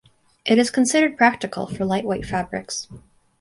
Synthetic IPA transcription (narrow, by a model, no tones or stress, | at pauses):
ʔɨɾɨz̥kʰn̩sɪɾə˞d̚pʰɹ̥æk̚tɨkʰl̩ˠfə˞laɪʔweɪtfæbɹɪ̰ks